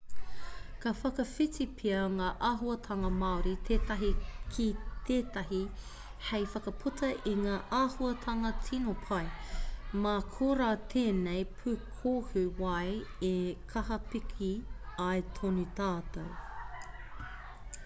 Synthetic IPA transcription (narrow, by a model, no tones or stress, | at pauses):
kɐfɐkɐfitipʰiɐŋaːʔaːɦuɐtʰɐŋɐmɐoɾit̪ʰeːtɐɦikʰit̪ʰeːt̪ɐɦi | hejfɐkɐpʰutʰɐʔiŋaːʔaːhuɐtʰɐŋɐtʰinopʰɐjmakʰoːɾaːt̪ʰeːnejpʰʉkʰohʉwɐjekʰɐɦɐpikʰiɐjtʰonit̪aːt̪ow